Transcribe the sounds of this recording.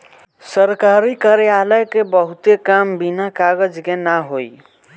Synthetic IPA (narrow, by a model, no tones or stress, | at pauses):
səɾkaɾikəɾejaləkebəɦut̪ekambinakaɡəd͡ʒkenaɦoj